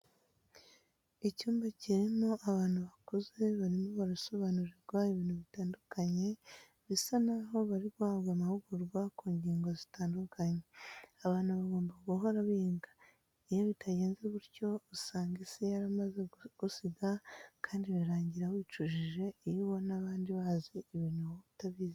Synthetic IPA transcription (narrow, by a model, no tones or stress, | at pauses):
icuːmbaciɾimo̞ʔaβaːn̥huβakuze̞βaɾimoβaɾuso̞βanuɾiɾɡwaiβiːnhuβitaːndukaɲe̞ | βisanaɦo̞βaɾiɾwaβɡamahuɡuɾɡwakuːɲɟiːŋɡo̞zitaːndukʰaɲeaβaːn̥huβaɡo̞ːmbaɡuɦo̞ɾaβiːŋɡḁ | ijo̞βitʰaɟe̞ːnze̞βuɾco̞usaːŋɡisijaɾamazeɡ̥usiɡakʰaːndiβiɾaːɲɟiɾawiːt͡ʃuʒiʒe̞iɾiwo̞naβaːndiβaziːβiːnhujoβitaβiːz